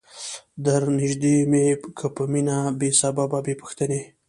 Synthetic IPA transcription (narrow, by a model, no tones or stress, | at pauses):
d̪əɾnɪʒd̪emekʰəpəminabesabababepəxt̪əne